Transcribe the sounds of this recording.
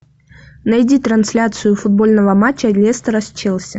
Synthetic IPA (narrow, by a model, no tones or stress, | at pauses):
nɐjdʲit̪ɾɐnsʲlʲat̪sɨjʊfʊd̪̚bo̞lʲnəvəmat͡ɕːədʲlʲest̪əɾɐsʲt͡ɕːɛlˠsʲɐ